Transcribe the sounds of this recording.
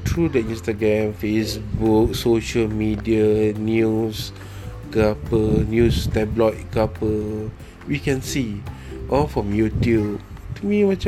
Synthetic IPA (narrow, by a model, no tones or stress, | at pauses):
tʰɹudɛtĩnstaɡɹɛ̃mfesbuk̚soʃəlmidianjus | ɡapənjustɛblɔt̚ɡapəl | wikɛ̃nsi | ʔɔlfɹɔ̃mjutjub̚tumimat͡ʃ